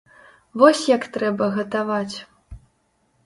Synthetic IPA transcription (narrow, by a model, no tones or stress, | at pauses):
vɔsʲjakt̪ɾɛbɐɣɐt̪avat͡sʲ